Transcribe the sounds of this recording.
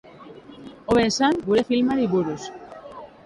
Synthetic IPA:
oβeːsanɡuɾefilmaɾiβuɾus

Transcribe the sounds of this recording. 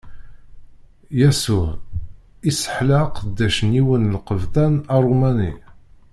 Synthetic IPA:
jæsu | isə̥ħləqd̪ːæʃəniwənlqəvt̪ænɑrˤumænḭ

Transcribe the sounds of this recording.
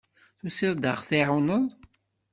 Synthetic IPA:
θusɪɾˤd̪əʁθiʕunəðˤ

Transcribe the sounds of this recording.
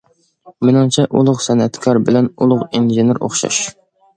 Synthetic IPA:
mɪnɨŋt͡ʃʰɛʔulˠʊqsɛnɛt̪kʰɑɾbɪlɛnulˠʊqinʒenɪɾo̰χʃɑ̰ʃ

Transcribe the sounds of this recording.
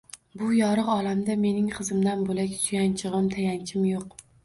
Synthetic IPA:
bʊjɒɾɨqɒlˠamd̪ame̞nɪŋqɨzɪmd̪anbolakʲsʰʊjant͡ʃʰɪʁɨmt̪ʰajant͡ʃʰɪmjoq

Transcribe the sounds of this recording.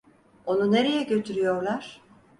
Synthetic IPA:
o̞nune̞ɾe̞jɛɟø̞t̪ʰyɾyjo̞ɾlˠaɾ̥

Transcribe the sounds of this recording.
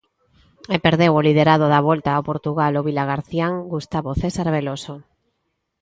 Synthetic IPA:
epeɾðewolið̞eɾað̞oðaβ̞olt̪aːwpoɾt̪uɣaloβilaɣ̞aɾθjaŋɡust̪aβoθesaɾβ̞eloso

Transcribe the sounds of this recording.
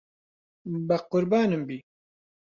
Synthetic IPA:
bɐqʊɾbaːnɨmbiː

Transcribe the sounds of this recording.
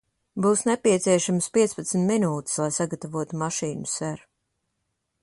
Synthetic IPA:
buːsnepiɛt̪siɛʃamspiɛt̪spat̪sm̩ʲt̪ʲminuːt̪i̥slˠajsaɡat̪avuɔt̪umaʃiːnusæɾ

